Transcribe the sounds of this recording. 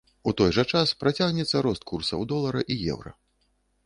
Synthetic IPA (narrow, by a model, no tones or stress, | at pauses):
ut̪ɔjʐɐt͡ʂaspɾat͡sʲaɣnʲɛt̪sːɐɾɔst̪̚kʰursɐ̰wd̪ɔlˠɐɾɐʔijɛ̰wɾɐ̰